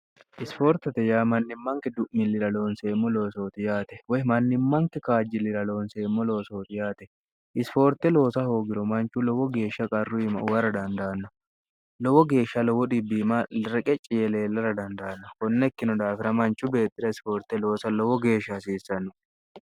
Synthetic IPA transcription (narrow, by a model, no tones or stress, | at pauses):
ʔɪspoːɾt̪ɐt̪ɛjaːmɐnːɪmːɐŋkɛd̪ʊʔmɪlːɪɾɐlo̞ːnsemːɔlo̞ːsoːt̪ɪjaːt̪ɛwɐmɐnːɪmːɐŋkɛkaːd͡ʒɪlɪɾɐlo̞ːnseːmːɔlo̞ːsoːt̪ɪjaːt̪ɛ̥ | ʔɪsfo̞ːɾt̪ɛlo̞ːsɐho̞ːɡɪɾɔmɐnt͡ʃːulɔwɔɡe̞ːʃɐkʼɐrːʊɪmɐwɐrɐd̪ɐnd̪ɐːnːɐ | lɔwɔɡe̞ːʃɐlɔwɔd̪ɪbːimaɾɛkʼɛt͡ʃʼːɪjɛleːlːɐɾɐd̪ɐnd̪aːnːɐkɔnːɛkːɪnɔd̪aːfɪɾɐmɐnt͡ʃubeːt̪ːɪɾɐɪsfoːɾt̪ɛlo̞ːsɐlɔwɔɡe̞ːʃɐsiːsɐnːʊ